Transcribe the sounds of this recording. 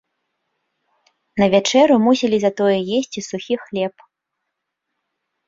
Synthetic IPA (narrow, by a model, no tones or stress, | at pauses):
nɐvʲat͡ʂɛɾumusʲɛlʲizɐt̪ɔjɛjesʲt͡sʲisuxʲixlʲɛp